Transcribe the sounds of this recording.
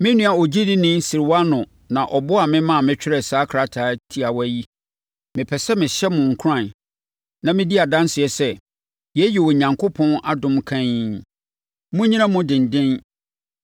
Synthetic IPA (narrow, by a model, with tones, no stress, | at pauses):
mɪ̃˦nũ˦a˨ɔ˨d͡ʑi˦dɪ˦nɪ̃˦n˦si˨ɾwa˦nʊ̃˨ | nã˨ʔɔ˨bʊ˦a˨mɪ̃˦mã˦a˨mɪ̃˦t͡ɕᶣɪ˦ɾɛ˨saː˦kʰɾa˦tʰaː˨˦tʰi˦a˨wæ˦ji˦ | mɪ̃˨pʰɛ˨sɛ˦mɪ̃˨ɕɛ˦mʊ̃˨ŋ̩˨kʰʊ˦ɾã˨n | nã˨mɪ̃˦di˦a˨dã˦nsɪ˨ɛ˨sɛ˦ | jɛ˦ji˨wɔ˨ɲã˨ŋkʰʊ˦pʰɔ̃˦na˦dʊ̃˨mkʰã˦ɲ˦ | mʊ̃˦ɲĩ˦nã˦mʊ̃˦dɪ̃˨n˨dɪ̃˦n